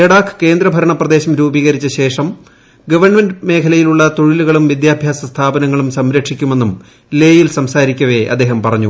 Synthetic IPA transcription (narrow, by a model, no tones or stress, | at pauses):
eɽaːkʰːɨ̥ke̞ːnd̪ɾɐbʱɐɾɐɳɐprɐd̪e̞ːɕɐmɾuːbiːɣɐɾit͡ɕːɐɕe̞ːʂɐm | ɡɐʋɐrɳmenɖme̞ːkʰɐlɐjiluɭːɐt̪oɻiluɣɐɭumʋid̪jaːbʱjaːsɐst̪ʰaːbɐnɐŋːɐɭumsɐmɾɐkʂikʲːume̞nːum | leːjilsɐmsaːɾikʲːɐʋe̞ʔɐ̰d̪ːe̞ːɦɐmpɐrɐɲːu